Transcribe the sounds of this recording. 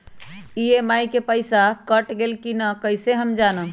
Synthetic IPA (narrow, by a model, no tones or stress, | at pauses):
iemajkepəɪsakəʈɡelkinəkəjseɦəmd͡ʒanə